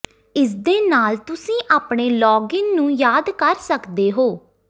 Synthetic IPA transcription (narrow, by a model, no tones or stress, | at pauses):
ɪsd̪eːnaːlt̪ʊsĩːʔaːpɳeːlɔːɡɪnnũːjaːd̪kəɾsəkd̪eːɦoː